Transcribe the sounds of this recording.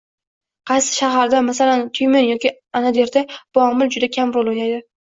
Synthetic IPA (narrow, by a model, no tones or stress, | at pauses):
qʰɑjsɪ̥ʃaɦaɾd̪amasalant̪ʰʊjmɪnjɒkʲi | anad̪eɾd̪ab̥ʊɒmɪld͡ʒʊd̪akʲʰamɾolˠojajd̪ɪ